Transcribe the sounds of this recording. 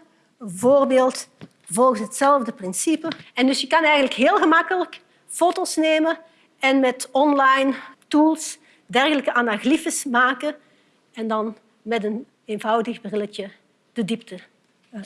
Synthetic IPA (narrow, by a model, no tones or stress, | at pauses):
voːrbeːlˠt | vɔlˠɣənsɦətsɛlˠvdəprɪnsipəɛndɵsjəkɑnɛjɣəntləkɦɪːlˠɣəmɑkələk | fotosneːmə | ɛnmɛtɔnlɑjntuːlˠs | dɛrɣələkəʔanaɣlifəsmaːkə | ɛndɑn | mɛtən | envɑwdəxbrɪlətə | d̥ədiptə